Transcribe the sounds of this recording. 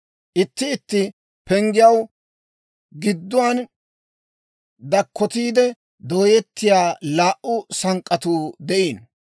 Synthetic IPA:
ʔɪt̪ːɪːt̪ːɪ | pɛŋɡɪjɐw | ɡɪd̪ːʊwaːn | d̪ɐkːɔt̪iːd̪ɛ | d̪o̞ːjɛt̪ːɪjaːlaːʔʔʊsɐŋkʼːɐt̪uːd̪ɛʔiːn

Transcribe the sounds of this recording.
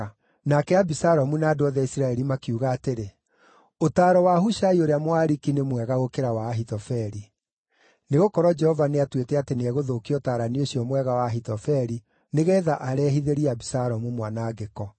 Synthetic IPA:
nakɛabisaɾɔmunaːdoɔðaisiɾaɛɾimakiuɣaːteɾe | otaːɾɔwahuʃaioɾeamwaɾikinemwɛɣaɣokeɾawaːɦitɔfɛɾi | neɣokɔɾɔd͡ʒɛhɔvaneatwetɛateneɛɣoðoːkiɔtaːɾanioɕiɔmwɛɣawaːɦitɔfɛɾi | neɣɛðaʔaɾɛːɦiðeɾiabisaɾɔmumwanaɡekɔ

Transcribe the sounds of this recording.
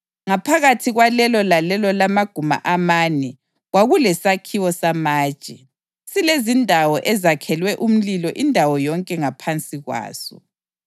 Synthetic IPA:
ŋapʰaɣatʰiɣwalɛlɔlalɛlɔlamaɡ̥ʱuma̰ʔamaːnɛ | ɣwaɣulɛsakʰiwɔsamḁːt͡ʃʼɛ | silezindʱawɔʔɛzakʰɛlwɛʔum̩lilɔʔindʱawɔjɔŋkʼɛŋapʰant͡sʼiɣwa̰ːsɔ̰

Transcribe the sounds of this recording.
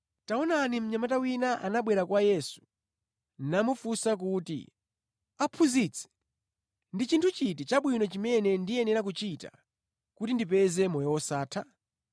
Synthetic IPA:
taɔnanim̩ɲamatawinaʔanaɓwɛɾakwajɛsu̥ | nnamufusak̬uːtḭ | apʰuzit͡sʰɛ̥ | ndit͡ʃintʰut͡ʃitit͡ʃaɓwinɔt͡ʃimɛnɛndiɛnɛɾak̬ut͡ʃita̰ | kutindipɛzɛmɔjɔwɔsaːtʰa

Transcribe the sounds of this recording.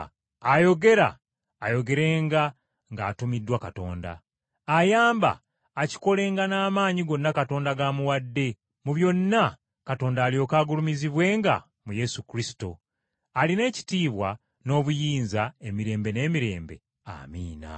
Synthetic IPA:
ajo̞ɡe̞ɾa̰ː | jo̞ɡe̞ɾe̞ːŋɡa | ŋɡaːtumidːwakato̞̰ːnda̰ː | jaːmba̰ː | ci̥ko̞le̞ːŋɡanaːmaːɲiɡo̞nːakato̞ːndaɡamuwadːe̞ | muβjo̞nːa | kato̞ːndaːlijo̞kaːɡulumiziβwe̞ːŋɡa̰ | muje̞sukɾisi̥to̞ | aline̞ːci̥tiːβwa | no̞ːβujiːnzae̞miɾe̞ːmbe̞ne̞ːmiɾe̞̰ːmbe̞ | a̰ːmiːna̰

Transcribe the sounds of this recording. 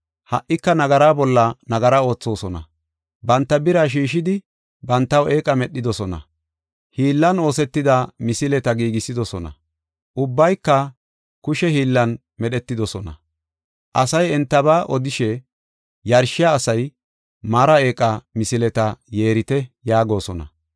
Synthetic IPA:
hɐʔːɪkːɐnɐɡɐɾaːbɔlːɐnɐɡɐɾao̞ːt͡sːo̞ːsɔnɐ̰ | bɐnt̪ːɐbɪɾaʃ̬iːʃɪd̪ɪ | bɐnt̪ːɐwe̞ːkʼɐmɛɗːɪd̪ɔsɔnɐ̰ | hiːlːɐno̞ːsɛt̪ːɪd̪ɐmɪsɪlɛt̪ɐɡiːɡɪsɪd̪ɔsɔnɐ̰ | ʔʊbːɐjkːɐ | kʊʃɛhiːlːɐn | mɛɗɛt̪ːɪd̪ɔsɔnɐ̰ | ʔɐsɐjɛnt̪ːɐbaːʔɔd̪ɪʃɛ | jɐɾʃɪjaːsɐj | maːɾɐe̞ːkʼɐmɪsɪlɛt̪ɐje̞ːɾɪt̪ɛjaːɡo̞ːsɔnɐ̰

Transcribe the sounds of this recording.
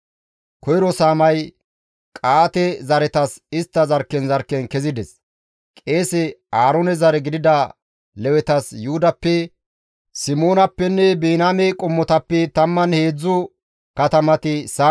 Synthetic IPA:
kʰɔjɪɾɔsaːmɐj | kʼaːt̪ɛzɐɾɛt̪ɐsɪst̪ːɐzɐɾkːɛnzɐɾkːɛnkɛzɪd̪ɛs | kʼe̞ːsɛaːɾɔnɛzɐɾɛɡɪd̪ɪd̪ɐ | lɛwɛt̪ɐsjuːd̪ɐpːɛ | sɪmoːnɐpːɛnːɛbiːnamɛkʼʊmːɔt̪ɐpːɛt̪ɐmːɐnhe̞ːd͡zːʊ | kɐt̪ɐmɐt̪ɪsaː

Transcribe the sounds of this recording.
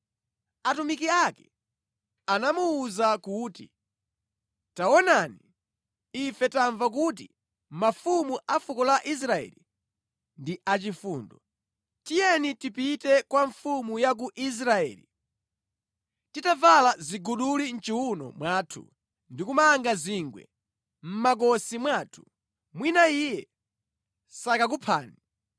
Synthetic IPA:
atumikiakɛ̰ | anamuːzakuːtḭ | taɔnani | ifɛtaɱvak̬ut̬ḭ | mafumuʔafukɔlaʔis̬ɾaɛ̰ːli | ndiʔat͡ʃifṵːndɔ | tijɛnitipitɛkwaɱfumujak̬uʔis̬ɾaɛ̰ːlḭ | titavalaziɡuɗulin̩t͡ʃiwunɔ̰mwaːtʰṵ | ndikumaŋɡaziŋɡwɛ̰ | m̩mak̬ɔsimwaːtʰu̥ | mwinaijɛ | sakak̬upʰa̰ːni

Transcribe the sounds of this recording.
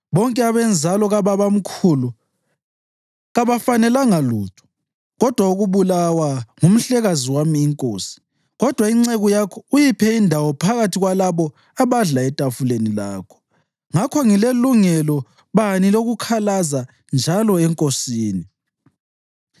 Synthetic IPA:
βɔŋkʼɛaβɛnd͡zʱalɔɣaβaβam̩kʰulu | ɣaβafanɛlaŋaluːtʰɔ̥ | ɣɔd̥ʱwauɣuβulawaŋum̩ɬɛɣaziwamiːŋkʼoːsi̥ | ɣɔd̥ʱwaiŋ͡ǀɛɣujakʰɔujipʰɛindʱawɔpʰaɣatʰiɣwalaβɔ | aβaɮaɛtʼafulenila̰ːkʰɔ̥ | ŋakʰɔŋileluŋɛlɔ | βaniloɣukʰalaza | nd͡ʒʱalɔɛŋkʼosiːni

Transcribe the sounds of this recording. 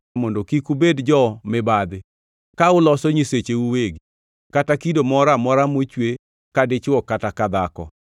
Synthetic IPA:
mondokikubedd͡ʒɔmɪbad̪ɪ | kaʊlɔsɔɲiset͡ʃeuweɡ | katakidomɔɾamɔɾamot͡ʃwe | kadɪt͡ʃwɔkatakad̪akɔ̰

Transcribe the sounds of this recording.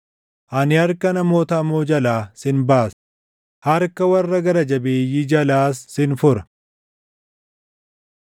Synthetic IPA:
ʔɐnɪhɐɾkɐnɐmo̞ːt̪ɐmoːd͡ʒɐlaːsɪnbaːs | hɐɾkɐwɐrːɐɡɐɾɐd͡ʒɐbe̞ːjid͡ʒɐlaːsːɪnfʊɾɐ̥

